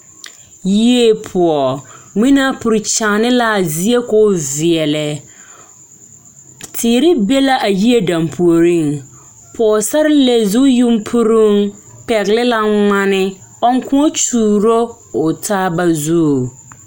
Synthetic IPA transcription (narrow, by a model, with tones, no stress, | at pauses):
ji˦e˦pʰʊ˨ɔ˨ŋi˦na˦pʊ˨ɾt͡ʃaː˨nɪ˦la˦˨zi˦e˦kɔ˦˨zɪ˨ɛ˨lɛ˨ | tʰɪː˨ɾɪ˦be˦la˦ʔa˨ji˦e˦da˨mpʰu˨o˨ɾi˦˨ŋ | pʰɔ˨ɔ˨sa˦ɾɪ˦le˨zu˦ju˦mpʰu˦ɾu˦ŋ | pɛ˨ɣlɪ˦la˦ŋ͡ma˦nɪ˦ | ɔ˦ŋ˦kʊ̃˦ɔ˦t͡ʃuː˨ɾo˦ | ʊ˨tʰa˦ba˨zu˦˨